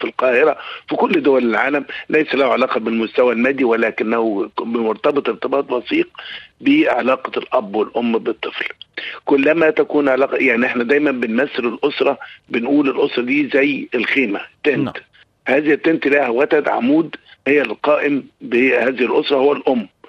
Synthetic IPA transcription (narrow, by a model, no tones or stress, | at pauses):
filqɑːhɪɾæfikʊlːd̪owælɪlʕa̰ːlæmlæjsælæhuʕalɑːqɑbɪlmʊst̪æwælmæːd̪ːiwælæːkɪnːæhubɪmʊɾt̪ɑbɨt̪ˤeɾt̪ɪbɑːt̪ˤbɑsiːq̚beʕa̰lɑːqɑlʔæbːwɪlʔomːbɨt̪ˤːɨflkʊlːæmæt̪ækuːnʕalɑːqjaʕniʔeħnæd̪æːjmæmbɪnmæsːɪlɪlʔosɾˤɑbɪnʔuːlɪlʔosɾˤɑd̪iːzæjelxeːmæt̪ːent̪ | hæːzht̪ːent̪læhæwæt̪æd̪ʕa̰muːd̪hejːælqɑːʔɪmbehæːzɪhɪlʔosɾˤɑhowːælʔomː